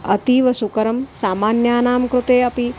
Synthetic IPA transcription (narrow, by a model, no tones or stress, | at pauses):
ɐt̪iʋɐsukɐɾɐmsaːmaːnjaːnaːmkɾut̪eːɐpi